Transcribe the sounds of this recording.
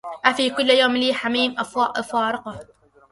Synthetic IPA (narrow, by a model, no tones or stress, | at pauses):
ʔafiːkʊlːjoːmliːħamiːmʔafwɑːʔfɑːɾˤɪqɑ